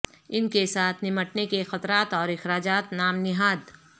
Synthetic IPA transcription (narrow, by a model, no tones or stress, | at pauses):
ɪnkesaːt̪ʰnɪməʈnekexɐt̪ɾaːt̪ɔːɾɪxɾaːd͡ʒaːt̪naːmnɪɦaːd̪